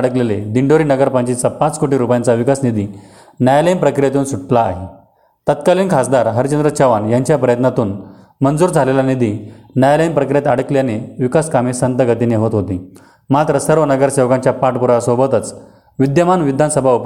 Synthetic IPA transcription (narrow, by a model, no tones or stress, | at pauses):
ɽəkleled̪iɳɖoɾiːnəɡəɾpəɲt͡ɕit͡sapãt͡skoʈiɾupjãnt͡saʋikasnid̪i | najaləimpɾəkɾijat̪uːnsuʈlaːɦe | t̪ət̪kaliːnkʰasd̪aɾɦəɾt͡ɕənd̪ɾət͡ɕʰəʋanjaɲt͡ɕjapɾəjət̪nat̪uːn | mənd͡zuːɾd͡zʱalelanid̪inajaləimpɾəkɾijet̪aɽəkljaneʋikaskamesənt̪əɡət̪ineɦot̪ɦot̪i | mat̪ɾəsəɾʋənəɡəɾsewkãɲt͡ɕjapaʈpuɾasobət̪ət͡s | ʋid̪jəmanʋid̪ʱansəbʱaup